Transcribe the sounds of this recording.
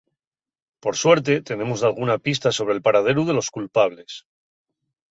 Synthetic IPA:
po̞ɾswe̞ɾt̪̬e̞t̪e̞ne̞mozðalɣ̞unapis̬t̪aso̞β̞ɾe̞lpaɾað̞e̞ɾuðe̞lo̞skulpaβ̞le̞s

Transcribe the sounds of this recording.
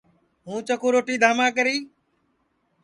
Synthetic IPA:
ɦũːt͡ʃəkʰoːɾoːʈiːd̪ʱaːmãːkəɾiː

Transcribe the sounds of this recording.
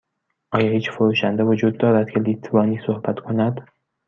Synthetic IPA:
ʔɒːjɒːhiːt͡ʃfoɾuːʃænd̪evod͡ʒuːd̪ːɒːɾæd̪̥cʰe̞liːt̪ʰvɒːniːsohbæt̪ʰkʰo̞næd̪̥

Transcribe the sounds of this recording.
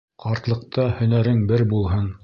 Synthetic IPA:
qʰɑɾt̪lˠɤ̆q̚t̪ɑhɵ̆næɾɘŋbɘɾbulˠɦɤn

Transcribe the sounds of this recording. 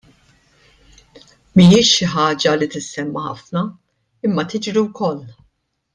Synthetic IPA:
mijɪːʃːɪħɐːd͡ʒɐlit̪ɪsːɛmːɐħɐ̰fnɐ | ɪmːɐt̪ɪd͡ʒɾiwkɔlː

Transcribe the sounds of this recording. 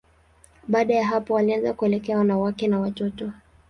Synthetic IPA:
ɓaːɗajaɦapɔwalianzakuɛlɛkɛawanawakɛnawatɔtɔ

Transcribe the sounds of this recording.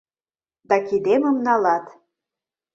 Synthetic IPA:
d̪ɑkid̪emə̆mnɑlɑt̪

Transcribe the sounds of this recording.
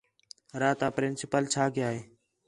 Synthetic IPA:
ɾaːt̪aːpɾɪnsɪpəlt͡ʃʰaːkeaːɦeː

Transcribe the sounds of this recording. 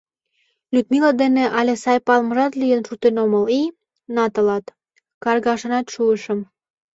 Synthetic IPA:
lʲyt̪milɑd̪enĕʔɑlʲesɑjpɑlmə̆ʒɑt̪lijənʃut̪enoməli | nɑt̪ə̆lɑt̪ | kɑrɣɑʃɤ̆nɑt̪ʃuəʃə̆m

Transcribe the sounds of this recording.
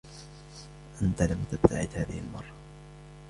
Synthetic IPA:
ʔant̪alamt̪ab̚t̪a̰ʕɪd̪haːðɪhɪlmɑrˤːɑ

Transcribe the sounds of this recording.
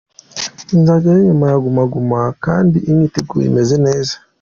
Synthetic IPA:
nzaɟaɾeɲumajaɡumaɡumakaːndiʔiɲɲiteɡṵḭme̞zene̞ːzḁ

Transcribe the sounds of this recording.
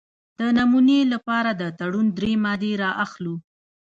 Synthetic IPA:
d̪̥ənamunelapɑɾad̪ət̪aɽund̪ɾemɑd̪eɾɑʔaxlu

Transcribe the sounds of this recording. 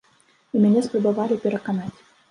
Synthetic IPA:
imʲɛnʲɛspɾɐbɨvalʲɪpʲɛɾɐkanatʲ

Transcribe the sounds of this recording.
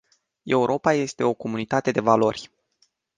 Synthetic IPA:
e̞uɾʔo̞paje̞st̪e̞o̞ko̞munit̪at̪e̞d̪e̞valo̞rʲ

